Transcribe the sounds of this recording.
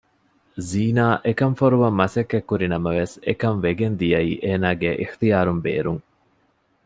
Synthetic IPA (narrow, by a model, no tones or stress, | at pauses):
ziːnaːʔekɐɱfoɾuʋɐmːɐsɐkːekːuɾinɐmɐʋesekɐmʋeɡend̪ijɐiːʔeːnaːɡeʔixt̪ijaːɾumbḛːɾuŋ